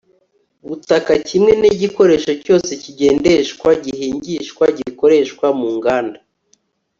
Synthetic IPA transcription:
ɡutakacimŋe̞niɟiko̞ɾe̞ːʃoco̞ːse̞ciɟe̞ːnde̞ʃkwaɟihiːɲɟiʃkwaɟiko̞ɾe̞ʃkwamuːŋɡaːnda

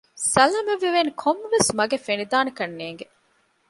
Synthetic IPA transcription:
sɐlɐmeʋeʋeːnkʰomːʋesmɐɡefenid̪aːnɐkɐnːeːŋɡe

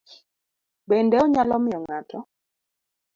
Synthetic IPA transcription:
bendɛɔɲalɔmɪɔŋatʰɔ

